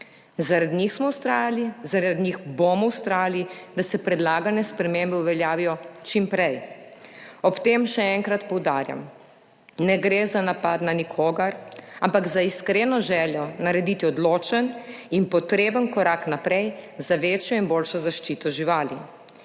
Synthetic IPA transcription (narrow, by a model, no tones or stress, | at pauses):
zaɾad̪ɲixsmɔwst̪ɾaːjalizaɾad̪ɲixbomɔwst̪ɾaːjalid̪asɛpɾɛd̪laːɡanɛspɾɛmembɛuʋɛljaːʋijɔt͡ʃimpɾɛj | ɔpt̪eːmʃɛɛŋkɾat̪pɔwd̪aːɾja̰m | nɛɡɾeːzanapad̪nanikʰoːɡaɾampaɡzaiskɾeːnɔʒɛːljɔnaɾɛd̪it̪iɔd̪loːt͡ʃəninpɔt̪ɾeːbənkɔɾaknapɾɛjzaʋeːt͡ʃjɔinboːlʃɔzaʃt͡ʃiːt̪ɔʒiʋaːli